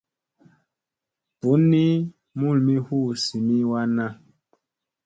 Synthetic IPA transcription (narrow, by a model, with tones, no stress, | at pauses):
pu˨˦nːi˦ | mu˦˨lmi˦hu˦˨si˨mi˦wa˦na˦